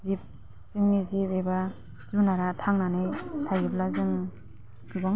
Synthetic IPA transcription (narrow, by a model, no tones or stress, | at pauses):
zip̚ | z̥ɯŋmizipeba | zunaɾatʰaŋnanɯjtʰajɯp̚lazɯŋ | ɡɯbaŋ